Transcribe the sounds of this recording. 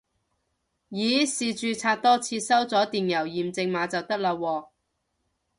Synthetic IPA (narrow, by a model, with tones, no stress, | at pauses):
jiː˨˥siː˨t͡ʃyː˨˧t͡sʰaː˧t̚t̪ɔː˥t͡sʰiː˧sɐ˥wt͡sɔː˨˥t̪iː˨njɐ˨˩wjiː˨mt͡sɪ˧ŋmaː˨˥t͡sɐ˨wt̪ɐ˥k̚laː˧wɔː˧